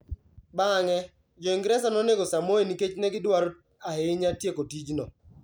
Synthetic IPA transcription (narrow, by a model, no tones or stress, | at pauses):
baŋɛ | d͡ʒɔɪŋɡɾɛsanɔneɡosamoeniket͡ʃnɛɡɪdwaɾo | aheɪɲatjekotid͡ʒnɔ̰